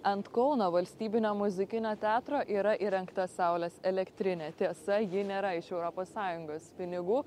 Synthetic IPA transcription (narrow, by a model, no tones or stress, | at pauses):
ɐnt̪kɔʊnoːʋɐlʲsʲt̪ʲiːbʲɪnʲoːmʊzʲɪkʲɪnʲoːt̪ʲæːt̪ɾoːʔiːɾɐʔiːɾʲɛŋkt̪ɐsɑˑʊlʲɛsɛlʲɛkt̪ʲɾʲɪnʲeːt̪ʲiɛsɐjɪnʲeːɾɐɪʃɛʊɾɔpoːssɑːjʊŋɡoːspʲɪnʲɪɡuː